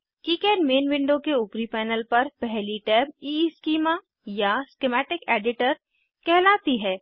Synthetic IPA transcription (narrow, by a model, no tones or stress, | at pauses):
kiːkɛːɖmeːnʋɪ̃ɳɖokeʊpɾipɛːnəlpɐɾpɛɦliʈɛːb̚iːskiːma | jaskɪmɛːʈɪkeːɖɪʈəɾ | kɛɦlaːt̪iɦɛː